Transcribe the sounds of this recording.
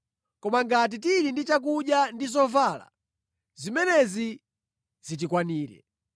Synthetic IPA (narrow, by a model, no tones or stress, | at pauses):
kɔmaŋɡat̬it̬iɾindit͡ʃak̬uɗjandizɔvala̰ | zimɛnɛzi | z̥it̬ikwaniːɾɛ̰